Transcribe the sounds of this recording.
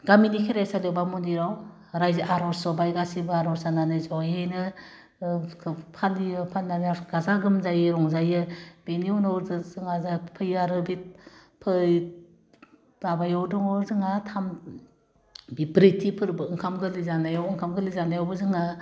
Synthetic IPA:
ɡaminikʰiɾajsalewbamɔndiɾaw | ɾajzaʔaɾɔɾsɔbajɡasibɯaɾɔɾsananɯjzɔjejnɯ | pʰalijɯpʰanazaɡazaɡɯmzajɯɾɔŋzajɯb̥eniɔnɔɾzɯzɯŋazapʰɯjaɾɯbit̚ | pʰɯj | babajɔwdɔŋɔɾzɯŋatʰam | bibɾitʰipʰɯɾbɯɯŋkʰamɡɯlizanajawɯŋkʰamɡɯlizanajawbɯzɯŋa

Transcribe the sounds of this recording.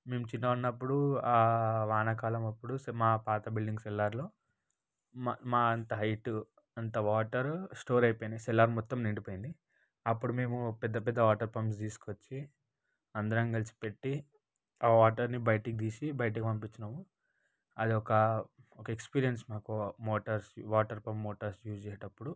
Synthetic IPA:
me̞ːmut͡ʃinːɐunːɐpːuɽuaːʋaːnɐkaːlɐmɐpːuɽusmaːpaːt̪ɐbilɖiŋɡsɛlːaːɾlo̞ː | mmaːɐnt̪ɐɦɐjʈu | ɐnt̪ɐʋaːʈɐɾsʈoːɾɐjpojind̪isɛlːaːɾmɔt̪ːɐmniɳɖipoːjind̪i | ɐpːuɽumeːmupɛd̪ːɐpɛd̪ːɐʋaːʈɐɾpɐms̬t̪iːsu̥kot͡ʃːi | ɐnd̪ɐɾɐŋɡɐlisi̥pe̞ʈːi | aːʋaːʈɐɾnibɐjʈikd̪iːsibɐjʈ̬ikipɐmpit͡ʃːɐnɐmu | ɐd̪iɔkɐɔkɐekspiːɾijɐnsmaːkumoːʈɐɾsʋaːʈɐɾpɐmːoːʈɐɾsjuːst͡ʃɛːjɐʈɐpːuɽu

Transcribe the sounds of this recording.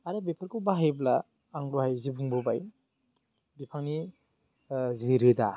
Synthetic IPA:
aɾabepʰaɾkubaɦajblaː | ŋɾuɦajzibuŋbɔbaj | bipʰaŋni | ziɾɯda̰

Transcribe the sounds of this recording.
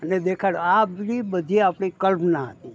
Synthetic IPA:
əned̪ekʰaɽoabnibəd̪ʱiapɽ̃ikəlpnaɦət̪ĩ

